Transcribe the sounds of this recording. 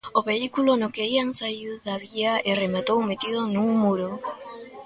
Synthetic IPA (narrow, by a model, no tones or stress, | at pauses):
oβeikulonokeiaŋsauðaβiaʔeremat̪owmet̪ið̞onuŋmuɾo